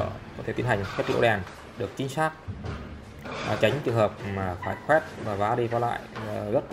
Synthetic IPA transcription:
kɔ˨˦t̪ʰe˧˩i˧nɦa˨˩jŋxwɛ˦˥t̚ḭ˧ɗɛ˨˩n | ɗɨ˨˩ək̚t͡ɕï˨˦ŋ̟saː˦˥k̚ | t͡ɕa˨˦jŋ̟t͡ɕɨ˨˩ɦəː˨˩p̚maː˨˩faː˧˩jxwɛ˦˥t̚maː˨˩vaː˨˦ɗi˧kɔ˧˦la̰ː˧˨jzə˦˥t̚

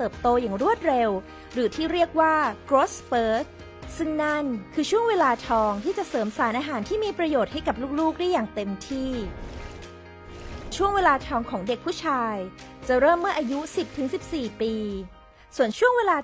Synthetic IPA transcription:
t̪ɤː˨˩p̚t̪oː˧jaː˨˩ŋɾu˥˩ət̪̚ɾe˧w | ɾɯː˩˦t̪ʰiː˥˩ɾi˥˩ək̚waː˥˩kɾoː˦˥spɤː˦˥ | sɯ˥ŋna˥˩nkʰɯː˧t͡ɕʰu˥˩əŋweː˧laː˧t̪ʰɔː˧ŋt̪ʰiː˥˩t͡ɕa˨˩sɤː˩˦msaː˩˦nʔaː˧ɦaː˩˦nt̪ʰiː˥˩miː˧pɾa˧joː˨˩t̪̚ha˥˩jka˨˩p̚luː˥˩k̚luː˥˩k̚da˥˩jaː˨˩ŋt̪e˧mt̪ʰiː˥˩ | t͡ɕʰu˥˩əŋweː˧laː˧t̪ʰɔː˧ŋkʰɔː˩˦ŋde˨˩k̚pʰu˥˩t͡ɕʰaː˧j | t͡ɕa˨˩ɾɤː˥˩mːɯ˥˩ɐʔaː˧ju˦˥si˨˩p̚t̪ʰɯ˩˦ŋsi˨˩p̚siː˨˩piː˧ | su˨˩ənt͡ɕʰu˥˩əŋweː˧laː˧

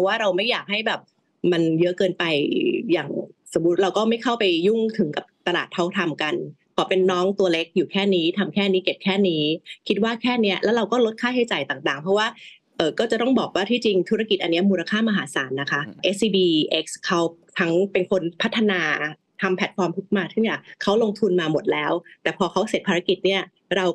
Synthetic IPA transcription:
waː˥˩ɾa˧wma˥˩jaː˨˩k̚ha˥˩jbɛː˨˩p̚ | ma˧njɤ˦˥ʔkɤː˧npa˧jjaː˨˩ŋso˩˦mːu˦˥t̪̚ɾa˧wkɔː˥˩ma˥˩jkʰa˥˩wpa˧jju˥˩ŋt̪ʰɯ˩˦ŋka˨˩p̚t̪a˧laː˨˩t̪ʰːa˦˥˩wt̪ʰa˧mka˧n | pʰɔː˩˦pe˧nːɔː˦˥ŋt̪u˧ɐle˦˥k̚juː˨˩kʰɛː˥˩niː˦˥t̪ʰa˧mkʰɛː˥˩niː˦˥ke˨˩p̚kʰɛː˥˩niː˦˥kʰi˦t̪̚waː˥˩kʰɛː˥˩ni˦˥ɐʔlɛː˦˥wɾa˧wkɔː˥˩lo˦˥t̪̚kʰaː˥˩jɦa˥˩jt͡ɕa˨˩jt̪aː˨˩ŋt̪aː˨˩ŋpʰɔ˦˥waː˥˩ | ʔɤː˨˩kɔː˥˩t͡ɕa˨˩t̪ɔ˥˩ŋbɔː˨˩k̚waː˥˩t̪ʰiː˥˩t͡ɕi˧ŋt̪ʰu˦˥ɾa˧ki˨˩t̪̚ʔa˧nːi˦˥ɐmuː˧la˧kʰaː˥˩ma˧ɦaː˩˦saː˩˦nːa˦˥kʰa˦˥ʔe˦˥siː˧biː˧ʔe˦˥k̚skʰa˦˥wt̪ʰa˦˥ŋpe˧nkʰo˧npʰa˦˥t̪ʰːa˧naː˧ | t̪ʰa˧mpʰɛ˨˩t̪̚fɔː˧mt̪ʰu˦˥k̚maː˧t̪ʰɯ˥˩ŋi˦˥˩kʰa˦˥wlo˧ŋt̪ʰu˧nmaː˧mo˨˩t̪̚lɛː˦˥wt̪ɛː˨˩pʰɔː˧kʰa˦˥wse˨˩t̪̚pʰaː˧ɾa˦˥ki˨˩t̪̚ni˥˩ɐ | ɾa˧w

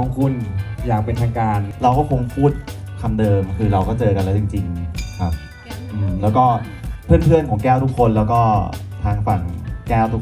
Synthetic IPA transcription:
ɔ˧kʰu˧˩njaː˨˩k̚pe˧nt̪ʰaː˧ŋkaː˧nɾa˧wkɔː˥˩kʰo˧ŋpʰuː˥˩t̪̚kʰa˧mdɤː˧mkʰɯː˧ɾa˧wkɔː˥˩t͡ɕɤː˧ka˧nlɛː˦˥˩t͡ɕi˧ŋt͡ɕi˧ŋkʰa˦˥p̚ | ʔɯː˧mlɛː˦˥wkɔː˥˩ | pʰɯ˥˩ənpʰɯ˥˩ənkʰɔː˩˦ŋkɛː˥˩wt̪ʰu˦˥kʰːo˧nlɛː˦˥wkɔː˥˩t̪ʰaː˧ŋfa˩˦ŋkɛː˥˩wt̪ʰu˦˥

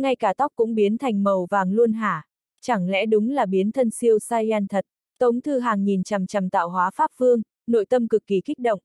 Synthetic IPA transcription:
ŋa˧jkaː˧˩t̪ɔ˦˥k͡p̚kʊ̰˧˥ŋ͡mɓi˨˦ənt̪ʰa˨˩jŋ̟mə˨˩wvaː˨˩ŋlu˧ənɦaː˧˩ | t͡ɕa˧˩ŋlɛ̰˧˥ɗʊ˨˦ŋ͡mlaː˨˩ɓi˨˦ənt̪ʰə˧nsi˧əwsaː˧jaː˧nt̪ʰə˨˩t̚ | t̪ə˨˦wŋ͡mt̪ʰɨ˧ɦaː˨˩ŋːi˨˩nt͡ɕa˨˩mt͡ɕa˨˩mt̪a̰ː˧˨wɦwaː˨˦faː˦˥p̚vɨ˧əŋ | no̰˧˨jt̪ə˧mkɨ˨˩kːi˨˩ki˦˥k̚ɗə̰˧˨wŋ͡mʔ

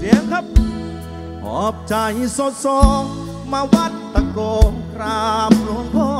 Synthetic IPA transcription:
si˨˦əŋkʰa˦˥p̚ | hʰɔ̰ː˨˦p̚t͡ɕa˧˩ji˧so˧t̪̚sɔː˧ | maː˧wa˦˥t̪̚ːa˧kɔː˧nkʰɾaː˧mlu˧˦ənpʰɔː˧

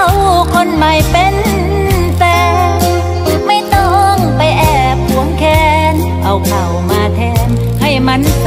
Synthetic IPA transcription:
wkʰo˧˥˨nma˨˩jpe˧n | t̪ɛː˧ | ma˥˩jt̪ɔ˧˩ŋpa˧jʔɛː˧˩ | p̚hu˨˩˦əŋkʰɛː˧n | ʔa˨˩wkʰa˨˩wmaː˧˩t̪ʰɛː˧˥n | ha˧˥˩jma˧˥˨n

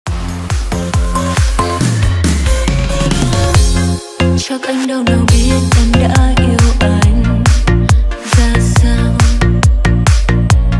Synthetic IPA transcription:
t͡ɕɔ˧kʔa˧jŋ̟ɗə˧˩wɗə˨˩wɓvi˨˦ət̚ʔa˨˧˩jŋ̟ɗa̰ː˧˥ʔi˧əwʔa˨˧˩jŋ̟ | zaː˨˧˩saː˧w

